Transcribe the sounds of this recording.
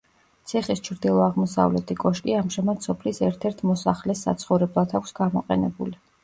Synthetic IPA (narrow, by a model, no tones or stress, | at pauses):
t̪sʰiχist͡ʃʰɾd̪ilˠɔaʁmɔsa̰vlɛt̪ʰʼikʼɔʃkʼiamʒamad̪sɔpʰlisɛɾt̪ʰɛɾt̪ʰmɔsaχlɛsːa̰t̪sʰχɔvɾɛblˠat̪ʰakʷʰsɡamɔ̰qʼɛ̰nɛbṵli